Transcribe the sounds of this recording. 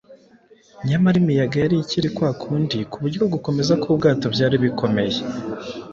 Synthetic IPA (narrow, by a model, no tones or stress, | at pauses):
ɲamaɾimijaɡajaɾiciɾikwaːkʰuːndikuβuɾɟobɡuko̞me̞zakub̚ɡaːtobɟaːɾiβikʰo̞me̞je